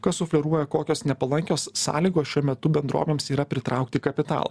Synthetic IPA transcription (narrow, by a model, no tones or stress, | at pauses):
kɐssʊfʲlʲɛɾuɔjɛkoːkʲoːsnʲɛpɐlˠɐŋʲkʲoːsːɑ̰ːlʲiːɡoːsʃʲuɔmʲɛt̪ʊbʲɛnd̪ɾṵːmʲeːmsiːɾɐpʲɾʲɪt̪ɾɐʊkt̪ʲiːkɐpʲɪt̪ɑ̰ːlˠɐ̰